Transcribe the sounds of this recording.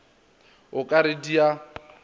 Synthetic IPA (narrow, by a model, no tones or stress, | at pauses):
ʊkʼaɾedia